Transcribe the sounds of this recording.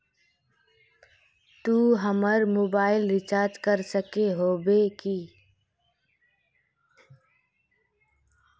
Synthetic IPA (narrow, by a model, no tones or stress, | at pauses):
t̪uɦəməɾmoːbaːɪlɾɪt͡ʃaːɾd͡ʒkəɾsəkeɦobeki